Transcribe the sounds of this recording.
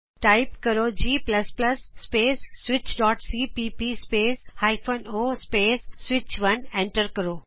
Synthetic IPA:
ʈaːɪpkɐɾod͡ʑiːplɐsplɐsːpeːsːʋɪt͡ɕɖɔːʈsiːpiːpispeːshaːɪfʰoːnoːspeːsːʋɪt͡ɕʋɐnẽɳʈəɾkɐɾoː

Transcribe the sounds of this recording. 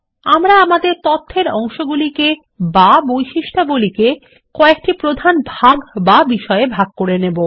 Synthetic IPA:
amɾaamad̪eɾt̪ot̪ʰːeɾɔŋʃoɡulike | babojʃiʃʈʰaɡulike | kɔek̚ʈipɾod̪ʱanbʱaɡbabiʃɔeebʱaɡ̚koɾenebo

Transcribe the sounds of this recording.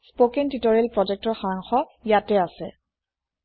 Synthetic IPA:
spokentitɔɹelpɹɔd͡ʒɛk̚tɔɹxaɹaŋxɔjatɛasɛ̰

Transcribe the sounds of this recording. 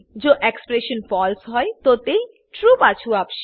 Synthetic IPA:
d͡ʑoʔekspɾeʃonfɔlsɦɔet̪ot̪ej | ʈɾupat͡ɕʰuapʃ

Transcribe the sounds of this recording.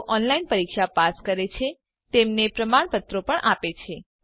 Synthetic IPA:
ʔɔnlainpəɾikʃapaskəɾet͡ʃʰe | t̪emnepɾəmaɳ̃pət̪ɾopəɳʔapet͡ʃʰe

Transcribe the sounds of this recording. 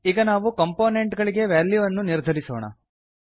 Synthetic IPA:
iɡɐnaːʋukɐmpoːneɳʈɡɐɭiɡe̞ʋaːljuʋɐnːuniɾd̪ʱɐɾiso̰ːɳ̃ɐ̰

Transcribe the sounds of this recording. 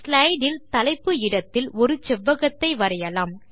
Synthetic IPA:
slɐɪɖɪlt̪ɐlɐɪpːɯɪɽɐt̪ːɪlɔɾɯt͡ʃɛʋːɐɣɐt̪ːɐɪʋɐɾɐjɐlaːm

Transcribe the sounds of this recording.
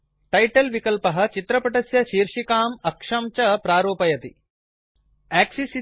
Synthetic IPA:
ʈɐjʈɐlʋikɐlpɐɦɐ̆t͡ʃit̪ɾɐpɐʈɐsjɐʃiːɾʂikaːmɐkʂɐmt͡ʃɐpɾaːɾoːpɐjɐt̪i | æːksisi

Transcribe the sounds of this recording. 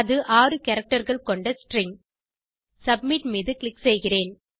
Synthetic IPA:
ɐðɯʔaːrɯkɐɾɐk̚ʈɐɾɣɐɭkɔɳɖɐsʈɾɪŋ | sɐb̚mɪʈmiːðɯklɪksɛjɣɪreːn

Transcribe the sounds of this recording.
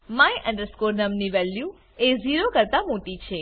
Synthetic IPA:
mãjʔə̃ɳɖəɾskoɾnəmniʋɛlju | eziɾokəɾt̪amoʈit͡ʃʰe

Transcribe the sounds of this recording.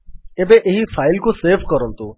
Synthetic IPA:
ebeʔeɦifaːɪlkõseːfkəɾəlt̪o

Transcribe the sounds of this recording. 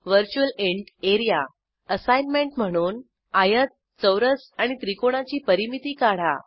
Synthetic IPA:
ʋəɾt͡ɕuəleɳʈeɾija | əsajnmeɳʈm̤əɽ̃uːn | ajət̪̚ | t͡səwɾəsaɽ̃it̪ɾikoɽ̃at͡ɕiːpəɾimit̪iːkaɽ̤a̰

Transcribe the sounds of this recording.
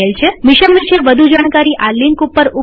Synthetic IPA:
elt͡ʃʰemɪʃəmʋiʃeʋəd̪ʱud͡ʒaɽ̃kaɾiʔaliŋkupːəɾu

